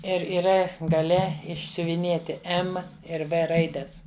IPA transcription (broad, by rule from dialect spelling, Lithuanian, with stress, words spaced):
ˈɪr iːˈrɐ ɡɐˈlʲɛ ɪʃʲsʲʊʋʲɪˈnʲeːtʲɪ ˈɛm ɪr ˈʋɘ ˈrɐɪdʲɛs